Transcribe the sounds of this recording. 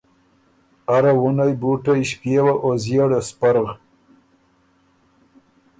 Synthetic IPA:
aɾawunajbuʈajʃpjewaʔozjeɽespaɾɣ

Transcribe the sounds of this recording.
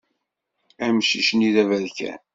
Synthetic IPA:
æmʃiʃniðævæðkæ̰n

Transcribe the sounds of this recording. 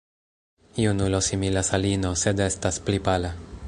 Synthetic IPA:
iunulo̞similasalino̞se̞d̪e̞stasplipala

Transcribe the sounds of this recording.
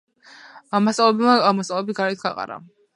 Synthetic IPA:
amːassʼalˠɛbaamast̪ʼalɛbiɡaɾɛt̪̚ʰɡaqʼa̰ɾa̰

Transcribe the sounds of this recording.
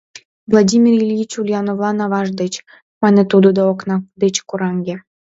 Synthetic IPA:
vlˠadʲimʲirilʲjit͡ɕulʲjɑnovlˠɑnɑβɑʒd̪et͡ɕ | mɑnet̪ud̪od̪ɑoknɑd̪et͡ɕkuɾɑŋɡʲe

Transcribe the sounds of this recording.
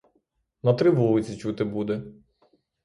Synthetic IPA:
nɐt̪ɾɪʋɔlˠɪt͡sʲit͡ʃut̪ɪbud̪ɛ

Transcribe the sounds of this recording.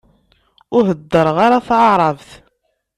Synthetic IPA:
ʊɦəd̪ːəɾˤʁaɾaθʕɑʕɾˤɑvθ

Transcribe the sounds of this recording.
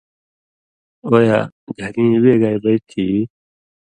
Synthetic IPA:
oːjaːɡʱɐɾĩweːɡaːjbɐit̪ʰiː

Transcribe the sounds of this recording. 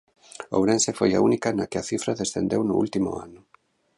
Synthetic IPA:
o̰wɾẽnsefoja̰unikanakɪɐθifɾaðesθḛnd̪ewnʊ̰ṵlt̪imʊ̰a̰nʊ

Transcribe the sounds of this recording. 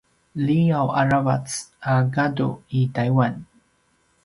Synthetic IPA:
liawaɹava̰t͡saɡadṵitajwan

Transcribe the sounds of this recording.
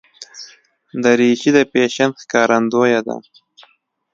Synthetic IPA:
d̪əɾiʃid̪əpeʃanxkɑːɾand̪ojad̪a̰

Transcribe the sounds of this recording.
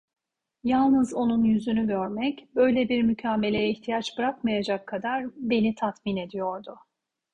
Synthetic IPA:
jalˠnɯzo̞nunjyzynyɟøɾmɛcbø̞jlʲebiɾmycʰaːmelʲejɛiçt̪ʰijat͡ʃbɾakmajad͡ʒakʰːad̪aɾbe̞nit̪ʰat̪mine̞d̪ijo̞ɾd̪ʊ

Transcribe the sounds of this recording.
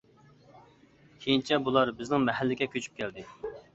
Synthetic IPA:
kʲʰejint͡ʃʰɛbulˠɑɾbɪznɪŋmɛɦɛlːɪɡʲɛkʲʰøt͡ʃʰy̥p̚kʲʰɛld̪ɪ

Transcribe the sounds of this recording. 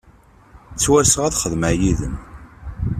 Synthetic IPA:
t͡sːwæsəʁæðχəðmajiðə̰n

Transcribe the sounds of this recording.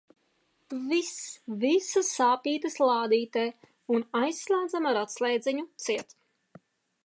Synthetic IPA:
visvisasaːpiːt̪ɨslˠaːd̪iːt̪ɛː | unajsːlˠʲaːd̪zamaɾat̪slʲˠɛjd̪zɛɲut̪siɛt̪

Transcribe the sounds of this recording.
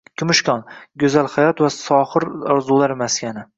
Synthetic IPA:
kʲʰʊmʊʃkʲɒnɡʲʊzalhajɒt̪vasɒhɨɾɒɾzulˠaɾmaskʲʰanɪ

